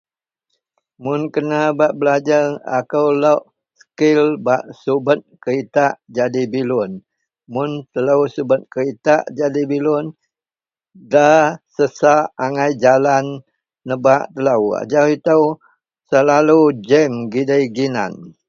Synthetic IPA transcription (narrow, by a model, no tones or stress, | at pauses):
mʊnkənabaʔbəlad͡ʒarakəwləʔ | sə̥kɪlbaʔsubət̪̚kəɾit̪aʔd͡ʒadibilʊn | mʊnt̪ələwsubət̪̚kəɾit̪aʔd͡ʒadibilʊn | dasəsaʔːŋajd͡ʒalanː | əbaʔt̪ələwa̰d͡ʒawit̪əw | səlalud͡ʒɛmɡidəjɡina̰n